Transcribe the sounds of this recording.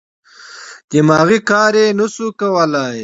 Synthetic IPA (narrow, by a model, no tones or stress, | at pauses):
d̪imɑːɣikɑːɾenəsukawəlaj